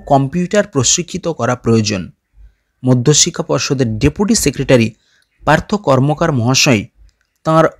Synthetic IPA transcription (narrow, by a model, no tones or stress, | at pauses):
kɔmpjuʈaɾpɾosɾikʰːit̪okɔɾapɾojod͡ʒon | mod̪ʱːoʃikʰapɔɾʃod̪eɾɖepuʈisekɾeʈaɾi | paɾt̪ʰokɔɾmokaɾmɔɦaʃɔj | t̪ãɾ